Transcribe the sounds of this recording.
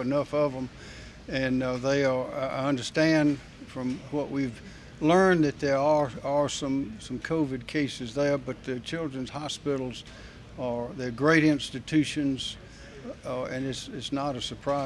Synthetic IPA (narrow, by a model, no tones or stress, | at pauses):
ɨnʌfʌvə̃m | ɨ̃nðeɪə˞ʌ̃ndə˞stæ̃nd | fɹʌ̃mwʌʔwʔiv | lɜ̃˞nðɨt̪̚ðə˞ə˞ə˞sʌ̃msʌ̃mkʰoʊvɨd̚kʰeɪsɨzðə˞bʌt̪̚ðɨt͡ʃʰɪlˠdɹɨ̃nz̥hɑspɪɾl̩ˠz | ə˞ðə˞ɡɹeɪɾɪ̃nstɨtʰʉʃɨ̃nz | ɨ̃nɨtsɪtsnəɾɨsə˞pʰɹ̥aɪ